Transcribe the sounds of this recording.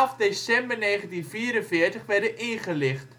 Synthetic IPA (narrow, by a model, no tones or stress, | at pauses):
ɑfdesɛmbərneːχəntinfiːɾənfɪːərtəχʋɛrdəʔɪnχəlɪχt